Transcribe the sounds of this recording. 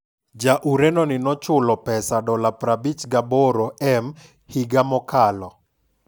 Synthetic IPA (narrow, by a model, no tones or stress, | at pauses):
d͡ʒaʔuɾenɔnɪnɔt͡ʃʊlɔpɛsadɔlapɾabit͡ʃɡabɔɾoɛm | hiɡamɔkalɔ